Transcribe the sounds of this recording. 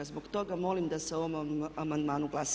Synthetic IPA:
azbokt̪oɡamɔlimd̪ɐsɛomɐmɐnd̪manuɡlas

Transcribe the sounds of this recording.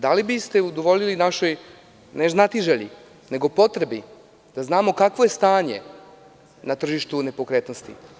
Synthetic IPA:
d̪alibist̪e̞ud̪oʋo̞ʎilinaʃo̞j | neznat̪iʒeʎḭ | ne̞ɡo̞po̞t̪ɾe̞bi | d̪̥aznaːmo̞kakʋoje̞st̪aːɲe̞̰ | nat̪r̩ʒiʃt̪une̞pokɾe̞t̪nost̪ḭ

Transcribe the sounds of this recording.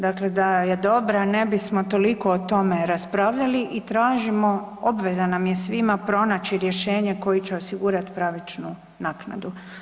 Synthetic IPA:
d̪akle̞d̪ajed̪o̞bɾane̞bismo̞t̪o̞liko̞ːt̪o̞me̞ɾaspɾaːʋʎaliʔit̪ɾaːʒimo̞o̞bʋe̞zanamje̞sʋimapɾo̞nat͡ɕiɾje̞ʃe̞ːɲeko̞jit͡ɕeo̞siɡuːɾat̪i̥pɾaːʋit͡ʃnu | naːkna̰d̪u

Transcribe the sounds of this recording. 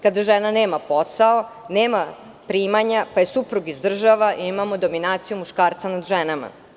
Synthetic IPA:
kad̪aʒenaneːmapo̞sao | neːma | pɾiːmaɲapaje̞supɾuɡizd̪r̩ʒaʋaʔiimamod̪o̞minaːt̪sijumuʃkaːɾt̪sanad̪ʒenama̰

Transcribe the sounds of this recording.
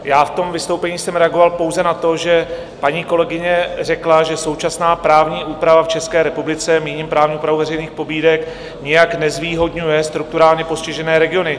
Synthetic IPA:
jaːft̪o̞mvɪst̪owpɛɲiːsɛmɾɛaɡo̞valpo̞wzɛnat̪o̞ʒɛ | paɲiːko̞lɛɡɪɲɛr̝ɛklaʒɛso̞wt͡ʃasnaːpɾaːvɲiːʔuːpɾavaft͡ʃɛskɛːɾɛpublɪt͡sɛmiːɲimpɾaːvɲiuːpɾavuwvɛɾɛjniːxpo̞biːdɛk | ɲɛjaknɛzviːɦo̞dɲujɛst̪ɾuk̚t̪uɾaːlɲɛpo̞scɪʒɛnɛːɾɛɡɪo̞nɪ

